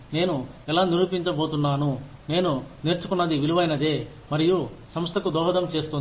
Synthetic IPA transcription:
ne̞ːnuɛlaːniɾuːpiɲt͡ʃɐbo̞ːt̪unːaːnune̞ːnuniɾt͡ʃukunːɐd̪iʋiɭuʋɐjnɐd̪e̞ː | mɐɾiju | sɐmst̪ʰɐkud̪ɔːɦɐd̪ɐmt͡ʃe̞ːst̪un

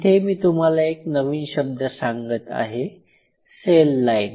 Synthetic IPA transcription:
t̪ʰemiːt̪um̤alaeknəʋiːɕəb̚d̪ʱəsaŋɡət̪a̰ɦe | selːain

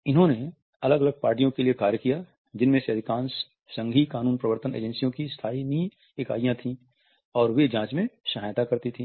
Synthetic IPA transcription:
ɪnɦõne | ɐləɡɐləɡ̚paːɾʈijõkeliekaːɾjəkija | d͡ʒɪnmẽseɐd̪ʱɪkãːns | sɐ̃ŋɡʱikaːnũːnpɾəʋəɾt̪ənḛːd͡ʒɛ̃nsijõkist̪ʰaːini | ɪka̰ːijãt̪ʰĩ | ɔːɾʋed͡ʒãːt͡ʃmẽʃɐɦaːjt̪akɐɾt̪it̪ʰĩː

